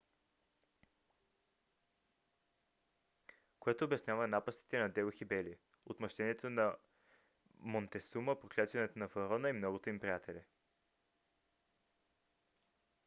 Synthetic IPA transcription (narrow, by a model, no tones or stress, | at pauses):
koɛt̪oːbɛsnʲjavɐnapəst̪i̥t̪ɛnɐd̪ɛoxibɛli | ot̪mɐʃt̪ɛniɛt̪onɐ | mont̪ɛsuməpɾoklʲat̪vɐnɛt̪onɐfɐɾɔnəimnɔɡot̪oimpɾijat̪ɛlʲi